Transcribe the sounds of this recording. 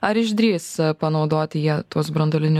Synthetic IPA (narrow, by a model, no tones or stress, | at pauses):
ɐɾɪʒd̪ʲɾʲiːspɐnɒʊd̪oːt̪ʲɪjiɛt̪uɔsbɾɐnd̪ɐlʲɪnʲʊ